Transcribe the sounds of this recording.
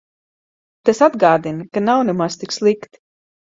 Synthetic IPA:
t̪asad̪ɡaːd̪inkanawnɛmast̪ikslˠikt̪

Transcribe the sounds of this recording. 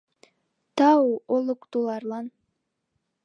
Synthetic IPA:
t̪ɑolˠukt̪ulˠɑɾlˠɑn

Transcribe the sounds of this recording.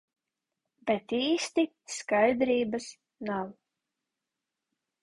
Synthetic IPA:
bɛt̪iːst̪i | skajd̪ɾiːbas | naw

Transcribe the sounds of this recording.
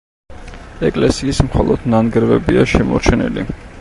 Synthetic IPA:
ɛkʼlɛsiːsmχɔlˠɔd̪nanɡɾvɛbiaʃɛmɔɾt͡ʃʰɛnḭli

